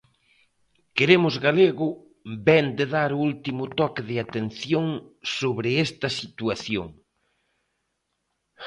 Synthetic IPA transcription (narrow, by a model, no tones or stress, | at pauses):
keɾemʊzɣaleɣʊ | bɛnd̪eðaɾʊult̪imʊt̪ɔkɪðɪat̪enθjoŋsoβɾɪɛst̪ɐsit̪uaθjo̰ŋ